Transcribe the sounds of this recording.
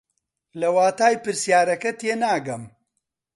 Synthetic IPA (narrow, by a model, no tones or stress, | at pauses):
lɐwaːt̪aːjpɨɾsijaːɾɐkɐt̪eːnaːɡɐm